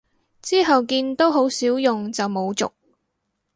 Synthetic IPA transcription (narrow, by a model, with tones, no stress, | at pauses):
t͡siː˥ɦɐ˨wkiː˧nt̪o˥wɦo˨˥wsiː˨˥wjʊ˨ŋt͡sɐ˨wmo˨˧wt͡sʊ̰˨k̚